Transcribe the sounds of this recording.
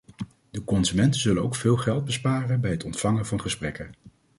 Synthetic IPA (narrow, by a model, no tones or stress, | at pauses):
d̥əkɔnzymɛntəzɵlənowkfɪːlˠχɛlˠd̚bəspaːrənbɛjɦətɔntfɑŋənvɑnχəsprɛkən